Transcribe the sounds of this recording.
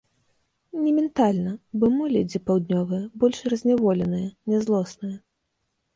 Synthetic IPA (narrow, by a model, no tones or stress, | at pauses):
nʲɛmʲɛnt̪alʲnɐbɔmɨlʲɛd͡zʲɛpawd̪ʲnʲɔvɨjɐbɔlʲʂrɐzʲnʲavɔlʲɛnɨjɐnʲɛzlˠɔsnɨjɐ